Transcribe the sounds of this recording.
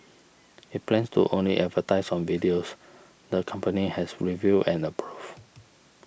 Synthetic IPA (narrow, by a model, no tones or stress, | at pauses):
it̚plɛ̃nstṵʔõnlḭʔɛtvətaɪsɔ̃nvidios | dəkʰãmpənihɛsɹiviɛ̃nəpʰɹuv̥